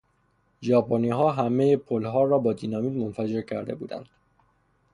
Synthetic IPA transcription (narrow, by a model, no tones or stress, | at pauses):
ʒɒːpʰoniːɦɒːɦæmejepʰolɦɒːɾɒːbɒːd̪inɒːmiːd̪monfæd͡ʒe̞ɾcʰæɾd̪e̞buːd̪æ̰nd̪̥